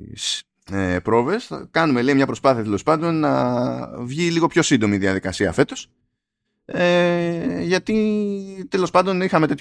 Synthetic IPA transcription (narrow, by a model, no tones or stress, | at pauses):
s | epɾo̞ve̞skɐnume̞leimɲɐpɾo̞spɐθiɐt̪e̞lo̞spɐnd̪o̞nːɐ | vʝiliɣo̞pço̞sind̪o̞miðiɐðikɐsiɐfe̞t̪o̞s | e | ʝɐt̪it̪e̞lo̞spɐnd̪o̞nixɐme̞t̪e̞t̪